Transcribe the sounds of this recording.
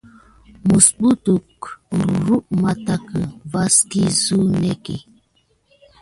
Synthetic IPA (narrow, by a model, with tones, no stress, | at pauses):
mu˨sɓu˦tu˨k̩˨ɾu˨ɾu˦ʔma˨ta˦kə˨va˦ski˦zu˦nɛ˦kḛ˨